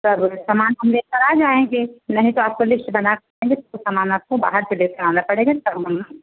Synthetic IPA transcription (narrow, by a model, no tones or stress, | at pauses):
sɐbsamaːnɦɐmleːkɐɾaːd͡ʒaːẽɡenɐɦĩt̪oaːp̚kolɪsʈbɐnakɐɾẽːŋɡet̪samaːnaːp̚koba̰ːɦəɾseleːkɐɾaːnapɐɽeːɡat̪ɐbməm